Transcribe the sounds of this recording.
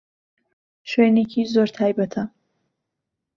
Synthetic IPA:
ʃenikʲʰizoɾt̪ʰaːjbɐt̪ʰa

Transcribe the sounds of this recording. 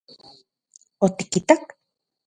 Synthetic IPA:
ot̪ikit̪ak

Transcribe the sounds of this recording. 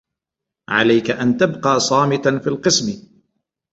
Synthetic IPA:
ʕa̰lajkaʔant̪abqɑːsˤɑːmɪt̪anfiːlqɨsm

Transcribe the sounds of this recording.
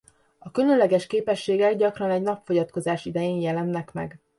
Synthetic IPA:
ɒkylønlɛɡɛʃkeːpɛʃːeːɡɛɡɟɒkrɒnɛɟnɒpfo̞ɟɒt̪ko̞zaːʃid̪ɛjeːnjɛlɛnːɛkmɛ̰ɡ

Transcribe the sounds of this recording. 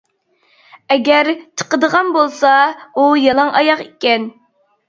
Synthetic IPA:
ɛɡʲɛɾt͡ʃʰə̥qəd̪əʁɑnbolˠsɑujɑlˠɑŋʔɑjɑqikʲɛn

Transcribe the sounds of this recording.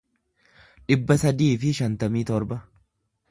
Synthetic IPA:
ᶑɪbːɐsɐd̪iːfɪʃɐnt̪ɐmiːt̪ɔɾbɐ

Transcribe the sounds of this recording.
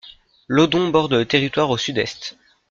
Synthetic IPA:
lod̪ɔ̃bɔʁd̪lət̪eʁit̪waʁosyd̪ɛst̪

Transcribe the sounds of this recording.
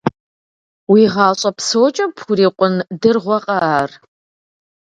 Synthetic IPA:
wiʁɑːɕʼɐpsowt͡ʃʼɐpʰuɾiːqʷʼʊndɨrʁʷɔqʼɑaːr

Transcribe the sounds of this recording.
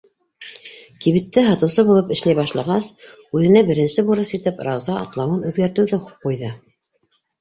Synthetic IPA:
kiβit̪ːɘɦɑt̪ɤ̆wsɤbulˠɤpɘ̆ʃlæjβɑʃlˠɑʁɑs | ʉðɘ̆næbɘ̆ɾɘ̆nsɘbuɾɤsjit̪ɘpɾɑwzɑɑ̰t̪lˠɑwɤnʉðɡæɾt̪ɘ̆wðɘqujðɤ

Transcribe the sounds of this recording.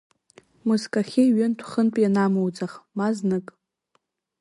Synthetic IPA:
muskʼaχʲeɥɨntʷʰχənpʼjanamowd͡zʼaχmaznɨkʼ

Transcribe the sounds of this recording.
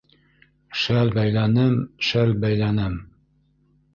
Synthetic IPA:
ʃælbæjlænɘmʃælbæjlænɘm

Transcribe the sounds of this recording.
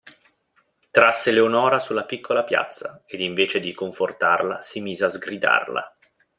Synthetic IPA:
t̪ɾasːeleonɔːɾasulːapikʰːolapja̰t̪sːaed̪iɱveːt͡ʃed̪ikoɱfort̪arla̰simiːzeazɡɾid̪a̰rla̰

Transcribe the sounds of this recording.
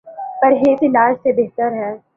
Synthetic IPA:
pɐɾɦeːt̪ɪnaːd͡ʒsebeɦt̪əɾɦɛː

